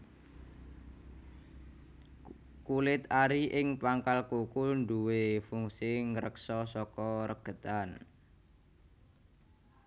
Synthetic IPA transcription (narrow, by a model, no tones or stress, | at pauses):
kulɪt̪aɾiʔɪŋpaŋkalkukʊlnduwefuŋsiŋɾəksɔsɔkɔɾəɡ̥ə̤t̪an